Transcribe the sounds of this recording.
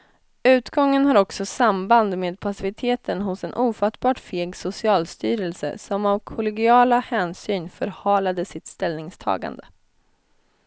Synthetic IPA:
ʉ̟ːt̪ɡɔŋːənɦaɾɔksɔsamband̪meːd̪̚pʰasɪvɪt̪ʰeːt̪ənɦʊsɛnʔuːfat̪ːbɑːʈfeːɡsʊsɪɑːlst̪yːɾɛlsə̰sɔmavkʰʊlɛɡɪɑːlahɛːnsyːnfœɾhɑːlad̪əsɪt̪st̪ɛlnɪŋst̪ʰɑ̰ːɡa̰nd̪ə

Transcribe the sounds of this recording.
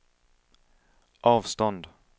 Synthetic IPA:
ʔɑːvst̪ɔnd̪

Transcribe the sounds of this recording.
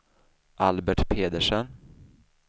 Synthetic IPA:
ʔalbæʈpʰeːd̪əʂən

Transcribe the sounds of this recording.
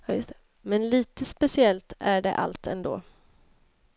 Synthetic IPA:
jɑːjɵst̪ʰɛ | mɛnliːt̪əspɛsɪɛlt̪æɖɛ̰ʔa̰lt̪ʰɛnd̪o̰ː

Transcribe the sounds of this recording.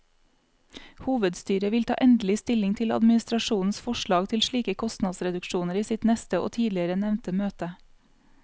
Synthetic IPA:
huːʋəd̪st̪yːɾəʋɪlt̪ʰɑ̰ːʔɛnd̪lɪst̪ɪlɪŋt̪ʰɪlɑ̰d̪mɪnɪst̪ɾɑʃuːn̩sfɔʃɭɑːɡt̪ʰɪlʃɭiːkəkʰɔst̪nɑd̪sɾɛd̪ʉkʃuːnəɾiːsɪt̪nɛst̪əʔo̰ːt̪ʰiːd̪lɪəɾənɛʋnt̪əmøːt̪ə

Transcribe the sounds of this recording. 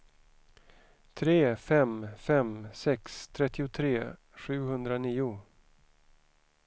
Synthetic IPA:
t̪ʰɾeːfɛmfɛmsɛkst̪ʰɾɛt̪ːɪʊt̪ʰɾeː | ɧʉ̟ːhɵnd̪ɾaniːʊ

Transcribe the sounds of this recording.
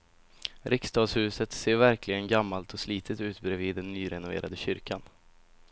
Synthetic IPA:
ɾɪkst̪ɑːd̪shʉ̟ːsət̪seːɾvæɾkʰlɪɡənɡamːalt̪ʰɔsliːt̪ʰət̪ʉ̟ːt̪bɾɛviːd̪ːɛnːyːɾɛnʊvḛːɾʔad̪əɕʏɾkʰan

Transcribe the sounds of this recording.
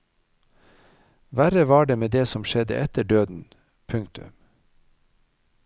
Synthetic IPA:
ʋæɾəʋɑːɖeːmeːd̪eːsɔmʃɛd̪ə̰ʔɛt̪əɖøːd̪n̩ | pʰʉŋkt̪ʉ̰m

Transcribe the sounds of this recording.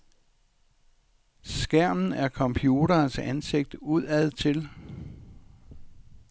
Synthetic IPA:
sɡ̥æɐ̰mn̩æɐkʰɒ̽mpʰjuːɾ̥ɐːnsænse̝ɡ̥̚d̥əuð̰ˠæð̰ˠt͡sʰe̝l

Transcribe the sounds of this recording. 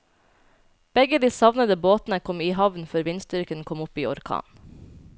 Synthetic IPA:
b̥ɛɡəd̪iːsɑʋnəd̪əboːt̪n̩əkʰɔmiːhɑʋn̩føːɾʋɪnst̪ʏɾkənkʰɔmʊpiːɔɾkʰɑ̰ːn

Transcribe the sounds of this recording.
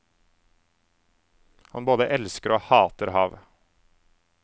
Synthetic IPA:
hɑnboːd̪əʔɛlskəɾoːhɑːt̪əɾhɑːʋ

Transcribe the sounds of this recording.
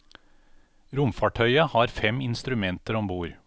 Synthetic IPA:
ɾʊmfɑːʈʰœʏəhɑːɾfɛmɪnst̪ɾʉmɛnt̪əɾɔmbuːɾ

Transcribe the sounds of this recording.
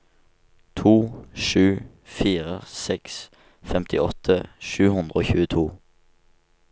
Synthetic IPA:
t̪ʰuːʃʉː | fiːʁəsɛks | fɛmt̪ʰɪʔɔt̪ʰəʃʉːhʉnd̪ʁəoːçʉːət̪ʰuː

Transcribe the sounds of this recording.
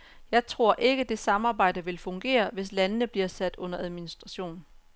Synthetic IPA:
jɑ̈ɪt͡sʰʁo̝ɐ̰ʔe̝ɡ̥əd̥e̝sɑ̈mɑ̈ːb̥ɑ̈ɪ̰d̥əʋe̝lfɔ̽ŋɡ̥e̝̰ːɐʋe̝slænənəb̥liɐsæd̥ɔ̽n̰ɐæð̞ˠminisd̥ʁɑ̈ɕo̝̰ːn

